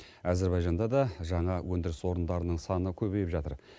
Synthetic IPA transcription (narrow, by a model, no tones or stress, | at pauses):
æzeɾbɑjʒɑnd̪ɑd̪ɑʒɑɴɑwʔɵnd̪ɪɾɪswo̞ɾənd̪ɑɾənəɴsɑnəkʲʰɵbejpʒɑt̪əɾ